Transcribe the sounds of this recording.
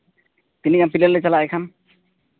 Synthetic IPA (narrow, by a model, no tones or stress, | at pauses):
t̪inikanpilallejt͡ɕalaɛkʰan